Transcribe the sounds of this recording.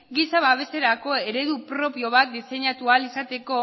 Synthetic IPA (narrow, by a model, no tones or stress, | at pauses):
ɡisaβaβe̞se̞ɾako̞e̞ɾe̞ðupɾo̞pio̞βat̪̚d̪ise̞ɲat̪ualisat̪e̞ko̞